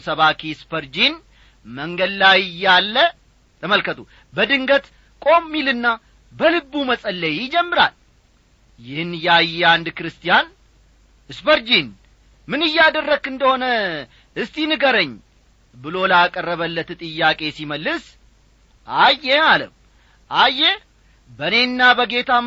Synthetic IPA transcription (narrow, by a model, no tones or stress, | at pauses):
səβakʰispʰəɾd͡ʒin | məŋɡəd̪lajɪjːalːə | t̪ʰəməlkət̪ʰu | bəd̪ɨŋɡət̪ | kʼo̞mːilɨnːa | bəlɨbːuməsʼəlːəjɪd͡ʒɛmːɨɾa̰l | jɪhɨnjɛajːɛand̪kɨɾɨst̪ʰʼijan | ɨsbəɾd͡ʒin | mɨnɨjːad̪ərːəɡɨnd̪əho̞nə | ɨst̪ʰinɨɡəɾəɲː | bɨlo̞ləakʼərːəβəlːət̪t̪ʼɨjːakʼe̞siməlːɨs | ajːɛalə̰ | ʔajːɛ | bəne̞nːabəɡe̞t̪ʰa